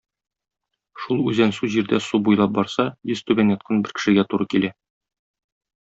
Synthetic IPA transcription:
ʃulˠʉzænsʉʑiɾd̪æsubujlˠɑp̚bɒɾsɑjɘst̪ʉbænjɒt̪̚qʰɑnbɘɾkɘ̥̆ʃɘ̆ɡæt̪uɾɤkilæ

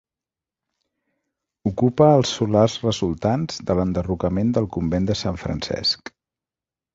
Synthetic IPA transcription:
ukupəːlˠsulazrəzulˠt̪anzðələnd̪ərukəmend̪əlˠkumbend̪əsaɱfɾə̰nsɛ̰sk

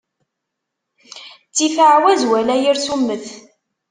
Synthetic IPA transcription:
t͡sːifəʕwæzwælæjiɾsumːəθ

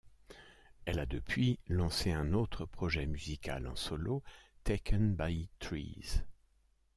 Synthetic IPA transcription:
ɛlad̪əpɥilɑ̃seɛ̃not̪χəpχɔʒɛmyzika̰lɑ̰̃sɔlot̪ekənbajt̪χḭz̥

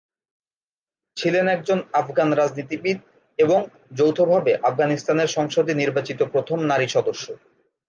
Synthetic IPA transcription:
t͡ɕʰilenɛk̚d͡ʑonafɡanɾad͡ʑnit̪ibid̪̚ | eboŋ | d͡ʑowt̪ʰobʱabeʔafɡanist̪aneɾʃɔŋʃod̪iniɾbat͡ɕit̪opɾot̪ʰomnaɾiʃɔd̪oʃːo

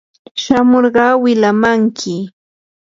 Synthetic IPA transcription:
ʃamoɾɢɑːwɪlamaŋkʰɪ

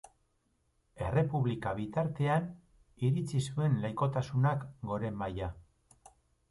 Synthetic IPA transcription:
e̞re̞puβlikaβit̪aɾt̪e̞an | iɾit͡sisue̞nlejko̞t̪asunakɡo̞ɾe̞maja

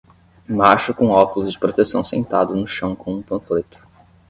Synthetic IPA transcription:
maʃʊkõɔkulʊzd͡ʒɪpɾot̪esɐ̰̃w̃sḛ̃nt̪ad̪ʊnʊʃɐ̃w̃kõũpɐ̃flet̪ʊ̥

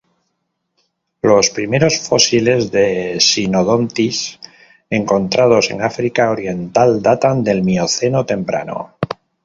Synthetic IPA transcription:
lo̞spɾime̞ɾo̞sfo̞sile̞zðe̞sinoð̞o̞nt̪is | e̞ŋko̞nt̪ɾað̞o̞se̞̰ŋafɾikaoɾje̞nt̪ald̪at̪and̪e̞lmio̞θe̞no̞t̪e̞mpɾa̰no̞̰

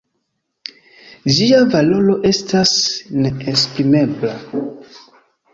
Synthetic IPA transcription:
d͡ʒiavalo̞lo̞ʔe̞stasne̞ːspɾime̞bla

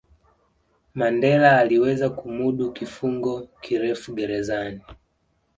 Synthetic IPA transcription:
mandɛlaːliwɛzakumuɗukifuŋɡɔkʰiɾɛfuɡɛɾɛzani

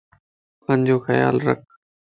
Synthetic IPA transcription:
kənd͡ʑoːxəja̰ːlɾə̰k̚ʰ

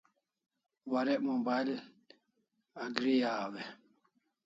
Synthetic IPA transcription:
waɾɛmɔbail | aɡɾijaːwɛ

